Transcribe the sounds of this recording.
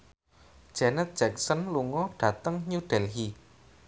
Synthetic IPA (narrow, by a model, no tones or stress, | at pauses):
d̥ʒ̥ɛnət̪̚d̥ʒ̥ɛk̚sənluŋɔɖ̥ä̤t̪əŋɲuɖ̥ɛlɦi